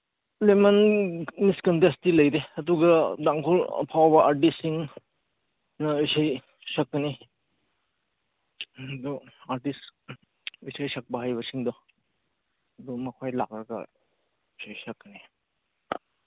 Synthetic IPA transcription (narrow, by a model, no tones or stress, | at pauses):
lemɐnmiskɐntestilɐjɾeɐduɡɐdaŋkʰolɐ̰pʰawbɐʔaɾt̬isːiŋ | nɐɔsaj | sɐkːɐni | dɔaɾtis | ɔjsʰajsɐk̚bɐɦajbɐsiŋdɔ | ɐdɔmɐkʰojlakɾɐɡɐ̰ | sʰajsɐkːɐni